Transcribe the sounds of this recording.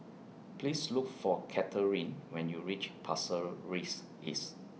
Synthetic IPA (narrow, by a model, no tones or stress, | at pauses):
pʰlislukfɔkʰɛtʰəɹĩnwɛ̃njuɹit͡ʃpʰasəɹis | ḭs